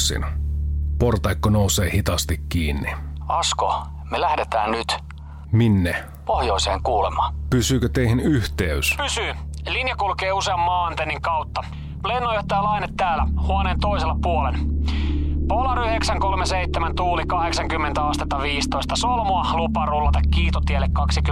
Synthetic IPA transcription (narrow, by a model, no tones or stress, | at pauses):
sḭn | port̪ɑikːonouseːhit̪ɑst̪ikːiːnːiɑsko̰ | melæhdet̪æːnnyt̪ | minːe | pohjoiseːŋkuːlemɑːpysyːkøt̪eihinyht̪eyspysyːlinjɑkulkeːuseɑmːɑːɑnt̪enːiŋkɑwt̪ːɑ | plenːojot̪ːæːlɑinet̪ːæːlæ̰huoneːnt̪oiselɑpuolen | polɑɾyheksæŋkolmeseit̪ːemænt̪uːlikɑheksɑŋkymːent̪æɑst̪et̪ːɑʋiːst̪oist̪ɑsolmoɑlupːɑrulːɑt̪ɑkkiːt̪ot̪iælːekkɑksik